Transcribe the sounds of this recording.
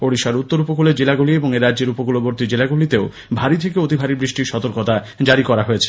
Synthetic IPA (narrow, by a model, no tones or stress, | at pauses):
oɽiʃaɾut̪ːoɾupokuleɾd͡ʑelaɡulieboŋeɾadd͡ʑeɾupokuloboɾt̪id͡ʑelaɡulit̪eo | bʱaɾit̪ʰekeot̪ibʱaɾibɾiʃʈiɾʃɔt̪oɾkot̪a | d͡ʑaɾikɔɾaɦoet͡ɕʰe̥